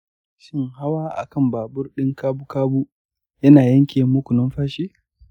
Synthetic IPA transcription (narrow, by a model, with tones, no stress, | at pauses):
ʃɪ˦ŋha˦waː˦ʔa̰˨kɐ˦˨mbaː˨bʊ˦rɗɪ˦ŋkaː˦bu˦kaː˦bu˦ | jɐ˦naː˨jɐ˦ŋkʲeː˨mʊ˦kʷʊ˨nɐ˦mɸaː˦ʃiː˦